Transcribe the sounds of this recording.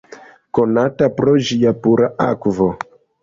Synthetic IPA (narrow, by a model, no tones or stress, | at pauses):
konatapɾoʒijapuɾaʔakvo